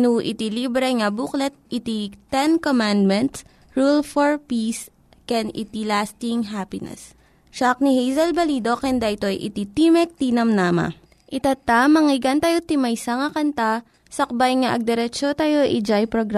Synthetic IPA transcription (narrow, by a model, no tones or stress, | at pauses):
nuʔɪ̰t̪ilibɾɛŋɐbuklɛt̪̚it̪it̪ɛnkomand̪̚mɛnt̪s | ɹulfoɹpis | kɛnɪ̰t̪ilast̪iŋɦapɪnɛ̰s | ʃak̚nihejzɐlbɐlid̪o̞kɛnd̪aʔɪt̪oɐjʔɪ̰t̪it̪imɛk̚t̪inɐmnaːmɐ̰ | ʔɪt̪at̪amɐŋɪɡɐnt̪ɐjot̪ɪmɐjsaŋɐkɐnt̪a | sɐk̚bajŋaʔɐɡ̚d̪ɛɾɛt͡ʃot̪ajo̞ʔid͡ʒajpɾoɡɾa